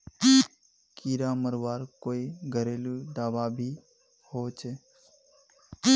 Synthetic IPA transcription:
kiːɾaːməɾʋaːɾkoːiɡʱəɾeːluɖaːʋaːbʱiː | hoːt͡ʃʰe

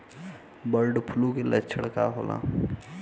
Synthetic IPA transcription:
bəɾɖpʰʊlũkelətːt͡ʃʰəɽkaɦo̰ːlʔa̰ː

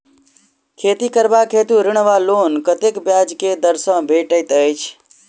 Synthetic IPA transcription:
kʰeːt̪ikəɾbakʰeːt̪ũɾɪɽ̃ʋaloːnkət̪ekbjad͡ʒked̪əɾsə̃bʱeʈəjt̪əjt͡ʃʰ

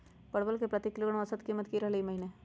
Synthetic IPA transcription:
pɐɽʋəlkepɾɐt̪ikɪloɡəɽ̃õɐsət̪kiːmət̪kiɾɐɦlimɐɦine

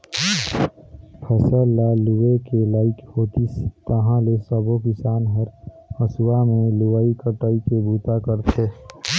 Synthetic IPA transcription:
pʰəsɛːlːaluwekelaːɪkhoːt̪ist̪əɦãlesəbokɪsaːnɦəɾ | əsuwamẽlʊʋaːikəʈaikebuːt̪akəɾt̪ʰe

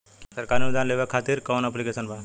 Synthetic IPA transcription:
səɾkaɾnud̪ʱãnleʋekʰat̪iɾkɔʋnaplikesənbʱa

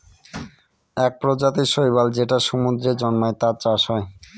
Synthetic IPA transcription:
ɛk̚pɾod͡ʑat̪iʃojbald͡ʑeʈaʃumud̪ɾed͡ʑɔnmoet̪at͡ɕaʃɦɔe

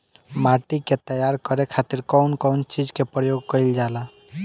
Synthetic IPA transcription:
maʈiket̪əjaɾkəɾekʰat̪iɾkəʊnkəʊnt͡ʃid͡ʒkepɾəjoɡ̚kəɪld͡ʒala

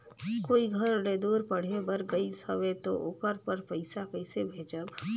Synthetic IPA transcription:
koːiɡʱɐɾleːd̪uːɾpɐɽ̤ebəɾɡəisɐʋet̪o̰ʔʊ̰kəɾpəɾpəɪsakəɪsebʱeːd͡ʒəb

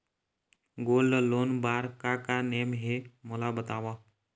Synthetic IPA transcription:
ɡoːlːəloːnbaːɾkakaneːmɦemolabət̪aːʋa

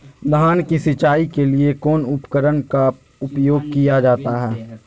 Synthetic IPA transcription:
d̪ɦaːnkisɪt͡ʃaːikeliekɔːnʊpkəɾənka | ʊpjoːɡ̚kijad͡ʒaːt̪aɦɛː

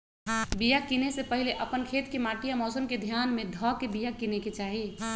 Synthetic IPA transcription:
bijakinesepəɦɪleʔəpənkʰeːt̪kemaːʈijamɔːsənked̪ʱijaːnmẽd̪ʱɔːkebijakineket͡ʃaːɦi

